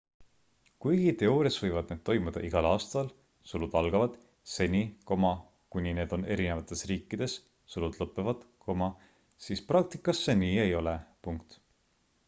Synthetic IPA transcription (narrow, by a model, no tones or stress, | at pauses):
kujɡ̥it̪e̞oːɾjɑsvɤjvɑd̪̥̚ned̪̥̚t̪o̞jmud̪̥ɑ̰ʔiɡ̥ɑlɑːst̪ɑl | sulud̪̥ɑlɡ̥ɑvɑd̪̥ | se̞nʲiko̞mɑ | kunʲine̞ːd̪̥o̞ne̞ɾine̞vɑt̪ːˑe̞sriːkˑːid̪̥e̞s | sulud̪̥lɤpːˑevɑd̪̥kʰo̞mɑ | siːsprɑk̚t̪i̥kːˑɑsːeniːe̞jo̞le̞puŋkt̪